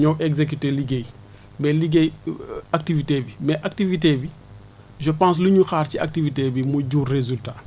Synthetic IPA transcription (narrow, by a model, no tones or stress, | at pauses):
ɲɔwʔɛɡzek̬yteliɡej | bɛliɡejak̚tivitebimɛʔak̚tivitebi | ʒəpãːs̬luɲuxaːrcia̰k̚tivitebimuɟuːrːezulta